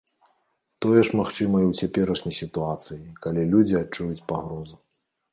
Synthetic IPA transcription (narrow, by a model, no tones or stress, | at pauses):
t̪ɔjɛʂmaxt͡ʂɨmɐjwt͡sʲapʲɛɾɐʂnʲɐjsʲit̪uat̪sɨjikalʲilʲud͡zʲiat͡ʂːujut͡sʲpaɣɾɔzu